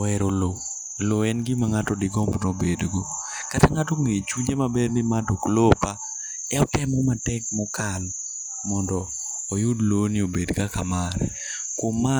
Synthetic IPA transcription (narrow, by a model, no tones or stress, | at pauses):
ɛɾolo | loɛnɡɪmaŋatɔdɪɡɔmbnobedɡo | kataŋatɔŋet͡ʃuɲd͡ʒemabɛɾnɪmadoklopa | ɛɔtɛmɔmatɛkmɔkal | mɔndɔː | jʊdlonɪobedkakamaɾɛ̰ | kwomːa